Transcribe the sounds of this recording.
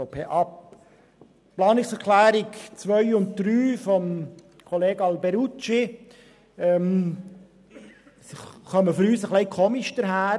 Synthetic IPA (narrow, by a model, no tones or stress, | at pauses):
opʰeːʔɑp | plɑːnɪksɛɾklæːɾikt͡sʋœʏʊnt̚d̪̥ɾyːfɔm | kʰɔleːɡɑlbɛɾut͡ʃi | ɛm | sχœməfɔɾyːsəχlɛɪkʰɔmiʃd̥əɾhæː